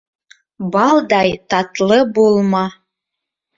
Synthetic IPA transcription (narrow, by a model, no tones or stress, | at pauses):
bɑld̪ɑjt̪ɑt̪lɤbolˠmɑ